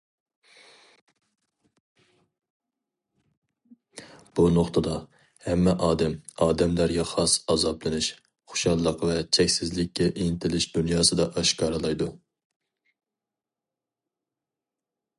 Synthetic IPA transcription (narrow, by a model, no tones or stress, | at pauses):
b̥unoχt̪ʰɨd̪ɑ | hɛmːɛʔɑːd̪ɛmɑːd̪ɛmlæɾɡʲɛχɑsɑzɑblˠɨnɪʃ | χʊ̥ʃɑlˠːəqvɛt͡ʃʰɛkʲsɪzlɪkʲːɛʔint̪ʰɪlɪʃd̪unjɑːsɨd̪ɑʔɑʃkʰɑːɾɨlˠɑjd̪u